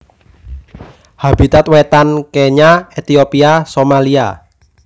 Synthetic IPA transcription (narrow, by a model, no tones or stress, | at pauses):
hab̥it̪at̪wet̪ankeɲaet̪iopiasomalia̰